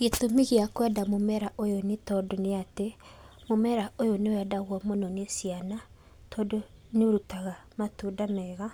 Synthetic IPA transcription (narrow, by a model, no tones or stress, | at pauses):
ɣetomiɣiakwɛdamomɛɾaʔojonetɔdoneatemomɛɾaojonewɛdaɣwɔmonɔnesiana | tʰɔdoneoɾutaɣamatudanɛɣa